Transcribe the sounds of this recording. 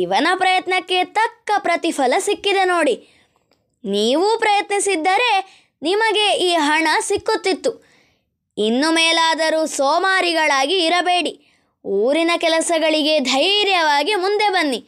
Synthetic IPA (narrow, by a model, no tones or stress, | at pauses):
iʋɐnɐpɾɐjɐt̪nɐkːe̞t̪ɐkːɐpɾɐt̪ipʰɐlɐsikːid̪e̞no̞ːɽi | niːʋuːpɾɐjɐt̪nisid̪ːɐɾe̞ | nimɐɡe̞iːɦɐɳɐsikːut̪ːit̪ːu | inːumɛːlaːd̪ɐɾuːsɔːmaːɾiɡɐɭaːɡiːɾɐbe̞ːɽi | uːɾinɐkɛlɐsɐɡɐɭiɡe̞d̪ʱɐjɾjɐʋaːɡimund̪e̞bɐnːi